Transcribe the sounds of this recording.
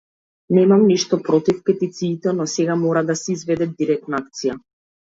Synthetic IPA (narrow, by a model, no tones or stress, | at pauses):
nɛmamniʃt̪ɔpɾɔt̪ifkɛt̪it̪siːt̪ɛnɔsɛɡamɔɾad̪asɛizvɛd̪ɛd̪iɾɛk̚t̪naak̚t̪sija